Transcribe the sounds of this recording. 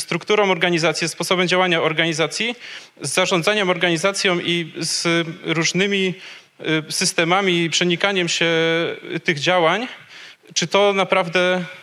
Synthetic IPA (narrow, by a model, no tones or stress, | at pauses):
st̪ɾukt̪uɾɔ̃w̃ɔɾɡaɲizat̪sʲjɛspɔsɔbɛmd͡ʑawaɲaɔɾɡaɲizat̪sʲji | zːaʐɔ̃nd̪zaɲɛmɔɾɡaɲizat̪sʲjɔ̃w̃ʔizɾuʐnɘmʲi | sɘst̪ɛmamʲipʂɛɲikaɲɛmɕɛ | t̪ɘɣd͡ʑawaɲ | t͡ʂɘt̪ɔnapɾavd̪ɛ